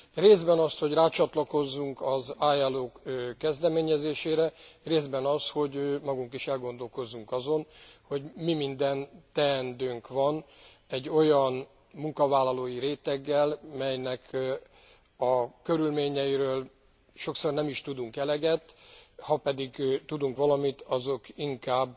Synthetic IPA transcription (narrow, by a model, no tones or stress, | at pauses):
reːzbɛnɒst̪ho̞ɟraːt͡ʃɒt̪lɒko̞zːuŋkɒzaːjɛlːoːkkːɛzd̪ɛmeːɲɛzeːʃeːɾɛreːzbɛnɒsho̞ɟmɒɡuŋkiʃɛlɡo̞nd̪o̞lko̞zːuŋkɒzo̞nho̞ɟmimind̪ɛnt̪ɛːnd̪øːŋkʋɒn | ɛɟːo̞jɒn | muŋkɒvaːlːɒloːjiɾeːt̪ɛɡːɛlmɛjnɛk | ɒkø̞ɾylmeːɲɛjiɾøːl | ʃo̞kso̞rnɛmiʃt̪ud̪uŋkɛlɛɡɛt̪ːhɒpɛd̪iɡt̪ud̪uŋkʋɒlɒmit̪ʰɒzo̞kiŋkaːbː